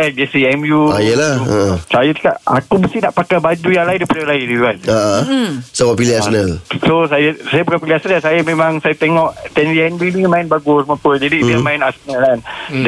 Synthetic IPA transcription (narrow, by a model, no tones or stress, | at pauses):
ad͡ʒesiɛmjuajalahə̰ʔəsajat̪ə̥kaʔa̰kubəst̪inaʔpakabad͡ʒujaŋlaɪndaipadalaɪnit̪ukanəʔəsaɡapiliasnalsosajasajapukapiliasənalsajamẽmãŋsajat̪eŋɔʔt̪ɛniɛnbinĩmãɪnbaɡʊsməpəd͡ʒadiiamãɪnasnaland